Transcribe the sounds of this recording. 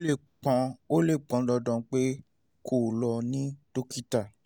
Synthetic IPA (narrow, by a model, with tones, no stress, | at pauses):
le˦˨ | k͡pɔ̃˨˧o˦le˦˨k͡pɔ̃˨˦lɔ˧dɔ̃˨˦k͡pe˦ | kʰo˨lɔ˧nĩ˦to˦ki˦ta˦˨